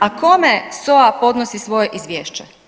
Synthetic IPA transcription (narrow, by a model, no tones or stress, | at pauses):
ako̞meso̞apo̞d̪nosisʋo̞jeʔizʋʲjeːʃt͡ɕe